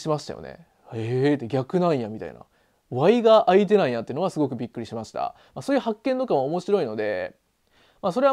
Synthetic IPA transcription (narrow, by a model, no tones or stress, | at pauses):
ɕimaɕi̥t̪a̰jo̰ne̞̰ | et̪ːeɡʲakɯ̟nãɰ̃jamʲit̪a̰ḭna̰ | βaiɡaʔait̪e̞naĩjat̪ːeɯ̟noɡasɨɡo̞k̬ɯ̟bʲikːɯ̟ɾʲiɕimaɕi̥t̪a̰ | masoːjɯ̟hakːẽ̞nt̪o̞kamoomo̞ɕiɾo̞ino̞d̪e̞̰ | maso̞ɾe̞a